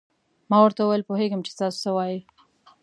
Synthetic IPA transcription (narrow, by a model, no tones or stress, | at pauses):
mɑwəɾt̪awjəlpoɦeɡəmt͡ʃe̥st̪ɑso̥səwɑji